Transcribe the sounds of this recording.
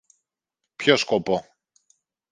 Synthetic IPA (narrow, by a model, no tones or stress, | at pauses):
pçoskopo